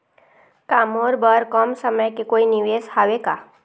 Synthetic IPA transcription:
kamoɾbəɾkɔmsəməjkekoːiniʋeːshaʋeka

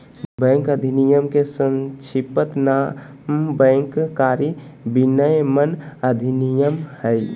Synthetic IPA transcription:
bə̃ŋkəd̪ʱinijəmkesə̃nt͡ʃʰipət̪na | mbəŋkkaɾibinəjmənəd̪ʱinijəmhəj

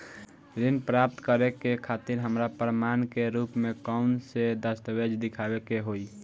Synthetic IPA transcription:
ɾinpɾap̚t̪kəɾekekʰat̪iɾɦəmɾapɾəmankeɾupmekaʊnsed̪əst̪əbed͡ʒd̪ɪkʰabekeɦoi

